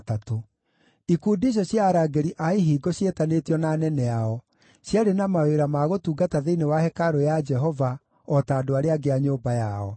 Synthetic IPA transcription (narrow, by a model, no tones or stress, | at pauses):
tato | ikuːndiɕ̬ɔɕjaɾaːɡeɾiʔaiɦiːɡoɕetanetjɔnanɛnɛaɔ | ɕjaɾenamaweɾamaɣotuːɡataðeinewahɛkaɾojad͡ʒɛɦɔva | ɔtaːdoaɾeaɡeaɲoːbajaɔ